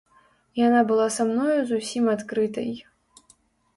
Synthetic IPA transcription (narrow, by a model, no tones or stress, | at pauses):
janabɨlˠasamnɔjuzusʲimat̪kɾɨt̪ɐ̰j